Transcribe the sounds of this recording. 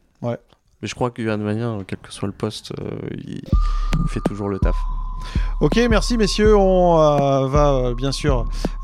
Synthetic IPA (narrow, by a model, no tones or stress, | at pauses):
wɛ | mɛʒə̥kχwakɛ̃d̪əmanjɛ̃kʲɛlkə̥swaləpɔst̪ø̰ḭifɛt̪uʒuʁlət̪af | okʲemɛʁsimesjøɔ̃øvaøbjɛ̃syːʁ